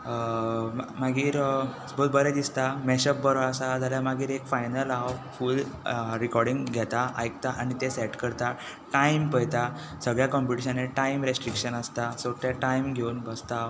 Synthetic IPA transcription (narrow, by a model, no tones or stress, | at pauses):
maɡiːɾ | bʱod̪̚bəɾɛd̪ist̪amɛɕəp̚bəɾoasad͡zaljamaɡiːɾekfajnəlaffuːlɾikɔɾɖiŋɡɡʱɛt̪aʔajkt̪aʔaɽ̃it̪esɛʈkəɾt̪a | ʈaimpəjt̪a | səɡɭjakɔmpiʈiɕ̬aneʈaimɾesʈɾikɕənəst̪asoʈaʈaimɡʱeunbəst̪a